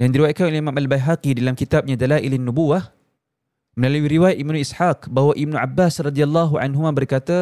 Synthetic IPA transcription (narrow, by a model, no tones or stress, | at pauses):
dandiɾiwajat̪̚kanolehimamʔalbajɦakidalamkit̪ap̚ɲadalaʔilinːubuwah | mə̃laluwiɾiwajat̪ʔibmnũisħak̚baɦwaʔib̚nuʔa̰bːasrɑdialːaɦuʔa̰nɦumãbərkat̪a